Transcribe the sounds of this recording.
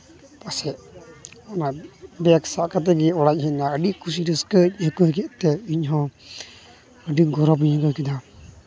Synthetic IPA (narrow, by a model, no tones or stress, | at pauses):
pasɛʔɔnabɛaksaʔkat̪̬ɛɡɛɔɽac̚ˀɦɛnaəɖikus̬iɾəskəc̚ˀhəkəhəɡɛʔt̪ɛiɲɦɔ̃ | əɖiɡɔɾɔpiɲakəkɛd̪a